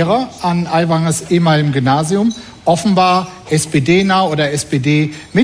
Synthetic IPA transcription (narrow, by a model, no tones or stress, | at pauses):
ʁɐʔanʔaɪvaŋəsʔeːmalɪmɡʏmnaːziʊm | ʔɔfn̩baːɐʔɛspeːdeːnaʊoːdɐɛspeːdeːmɪ